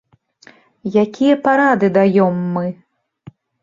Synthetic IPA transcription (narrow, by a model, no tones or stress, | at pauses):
jakʲijɐpaɾad̪ɨd̪ajɔmːɨ